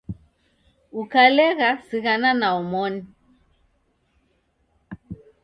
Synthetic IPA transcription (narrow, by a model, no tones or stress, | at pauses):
ukalɛɣasiɣananaɔmɔni